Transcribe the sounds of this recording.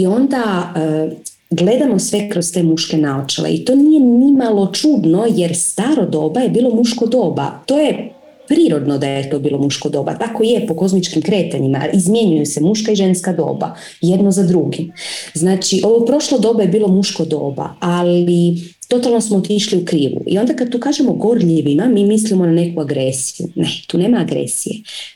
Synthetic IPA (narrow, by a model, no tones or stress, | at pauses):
io̞nd̪aə | ɡle̞d̪amo̞sʋe̞kɾo̞st̪emuʃke̞naot͡ʃḛlḛḭt̪o̞ːnije̞nnimalo̞t͡ʃuːd̪no̞je̞ɾst̪aɾo̞d̪o̞ːbaje̞biːlˠo̞muʃko̞d̪o̞ːba̰t̪o̞ːje | pɾiːɾo̞d̪nod̪ajjet̪o̞ːbiːlˠo̞muʃkod̪o̞ːba̰t̪akojepoko̞zmit͡ʃkimkɾe̞ːt̪aɲima̰izmje̞ɲujusemuʃkaiʒe̞nskad̪o̞̰ːba̰ | je̞d̪nozad̪ɾuɡiznaːt͡ʃiʔo̞ʋopɾo̞ʃlod̪o̞ːbaje̞biːlo̞muʃko̞d̪o̞̰ːba̰alit̪o̞t̪alˠnosmoːt̪iʃliukɾiːʋṵʔḭo̞nd̪akad̪̚t̪uːkaːʒemoɡo̞ɾʎiʋimamiːmislimo̞nane̞kuaɡɾesijṵnet̪uːne̞ːmaːɡɾḛsije